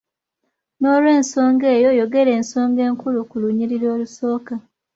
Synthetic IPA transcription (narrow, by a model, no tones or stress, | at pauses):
no̞ːlwe̞ːnso̞ːŋɡe̞ːjo̞jo̞ɡe̞ɾe̞ːnso̞ːŋɡe̞ːŋkulukuluɲiɾiɾo̞ːluso̞ːka